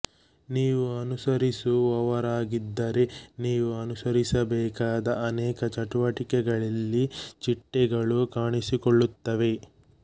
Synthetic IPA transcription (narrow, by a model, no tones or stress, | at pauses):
niːʋuɐnusɐɾisuɐʋɐɾaːɡid̪ːɐɾe̞niːʋuɐnusɐɾisɐbɛːkaːd̪ɐːnɛːkɐt͡ʃɐʈuʋɐʈikɛɡɐɭɐlːit͡ʃiʈːɛɡɐɭukaːɳisikoɭːut̪ːɐʋe̞